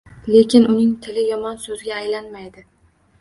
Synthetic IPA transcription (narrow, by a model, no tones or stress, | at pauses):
le̞kʲɪnʔʊnɪŋt̪ʰɪlɪjɒmɒnsɵzɪɡʲaːjlanmajd̪ɪ